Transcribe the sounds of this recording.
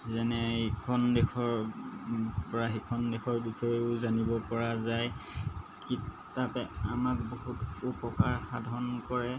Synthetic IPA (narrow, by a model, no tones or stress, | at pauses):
zɛnɛikʰɔndɛkʰɔɹ | pɔɹaɦikʰɔndɛkʰɔɹbixʰɔjeʊzanibɔpɔɹazaj | kit | apɛamak̚boɦutupɔkaɹxadʱɔnkɔɹɛ